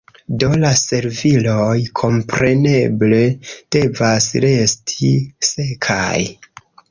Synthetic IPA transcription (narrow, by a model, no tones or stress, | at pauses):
do̞lase̞ɾvilojkʰo̞mpɾe̞ne̞ble̞d̥e̞vasɾe̞stʰise̞kʰa̰j